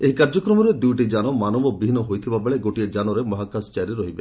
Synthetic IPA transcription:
eɦikaɾd͡ʒɔkɾɔmɔɾed̪ujʈid͡ʒanɔmanɔbɔbiinɔɦojt̪ʰibabeɭeɡoʈied͡ʒanɔɾemɔɦakast͡ʃajɾiɾɔɦibe

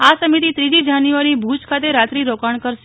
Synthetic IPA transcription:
asəmit̪it̪ɾid͡ʒid͡ʒanjuʋaɾibʱut͡ʃkʰat̪eɾat̪ɾiɾokaɳkəɾʃe

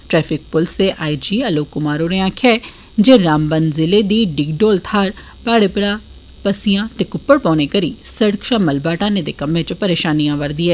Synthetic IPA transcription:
ʈɾɛːpʰɪk̚pʊlseːʔaːid͡ʒiːəloːkːʊmaːɾoːɾeãːkʰɛː | d͡ʒeːɾaːmbənzɪleːd̪iːɖɪɡɖoːlt̪ʰaːɾ | paːɽepɾaː | pəsɪjãːt̪eːkʊpːəɽpɔ̃ːnekəɾḭːsəɽkʃaːməlbaːʈãːnẽd̪eːkəmẽt͡ʃpəɾeːʃaːnijãːʋəɾd̪iːɛː

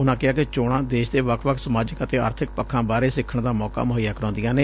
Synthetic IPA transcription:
ʊnãːkɪaːkɪt͡ʃoːɽãːd̪eːʃd̪eːʋəkʰʋəkʰsəmaːd͡ʒəkət̪eːa̰ːɾt̪ʰɪk̚pəkʰːãːbaːɾeːsɪkʰːəɳd̪aːmɔːka̰ːmʊɦəjːaːkəɾõːnd̪ɪjãːneː

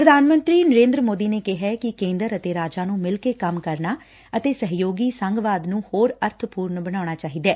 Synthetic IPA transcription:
pɾəd̪ʱaːnmə̃nt̪ɾiːnəɾẽːnd̪ɾəmoːd̪iːneːkɪɦɛːkɪkẽːnd̪əɾət̪eːɾaːd͡ʒaːnũːmɪlkeːkəmkəɾnaː | ət̪eːsəɦjoːɡiːsəŋɡʋaːd̪nũːhoːɾəɾt̪ʰpuːɾnbənaːñaːt͡ʃaːɦiːd̪ɛː

